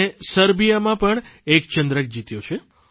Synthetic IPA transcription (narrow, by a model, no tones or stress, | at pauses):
esəɾbijamãpəɳekt͡ʃənd̪ɾək̚d͡ʒit̪jot͡ʃʰe